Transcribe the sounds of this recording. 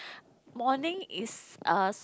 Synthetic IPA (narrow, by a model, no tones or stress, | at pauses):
mɔnɪ̃ŋɪsʔʌs